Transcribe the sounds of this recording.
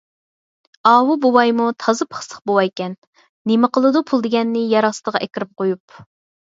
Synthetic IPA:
ɑːwubuwɑjmut̪ʰɑzɨpʰə̥χsʰə̥χbowɑjkʲɛnː | emɪqəlˠɨd̪upʰulˠd̪ɪɡʲɛnːɪjɑɾɑsɨd̪əʁɑʔɛkʲɪɾɪp̚qojup̚

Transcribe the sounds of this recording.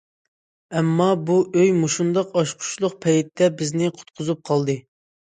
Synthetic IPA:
ɛmːɑbuøjmuʃund̪ɑqɑʃqʰʊ̥ʃlˠʊq̚pʰɛjit̪ːɛbɪznɪqʰʊ̥t̪qʰʊzup̚qʰɑlˠd̪ɨ

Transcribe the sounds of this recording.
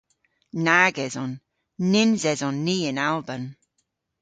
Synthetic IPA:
naɡɛzɔnː | ɪnzɛzɔnːiːənalˠbən

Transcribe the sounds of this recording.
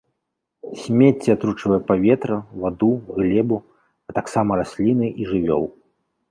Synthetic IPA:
sʲmʲet͡sʲːɛat̪ɾut͡ʂɨvɐjɛpavʲɛt̪ɾɐvad̪uɣlʲɛbu | ɐt̪aksamɐɾasʲlʲinɨʔiʐɨvʲɔ̰wˠ

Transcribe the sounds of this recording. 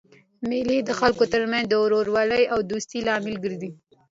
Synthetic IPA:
meled̪əxalkot̪əɾmanzd̪əɾoɾwɑləjawd̪ust̪ilɑmɪlɡəɾd̪i

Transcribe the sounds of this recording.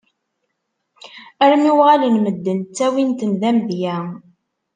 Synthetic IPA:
æɾmiwʁalinməd̪ːəntt͡sːæwint̪ənðæmðjæ

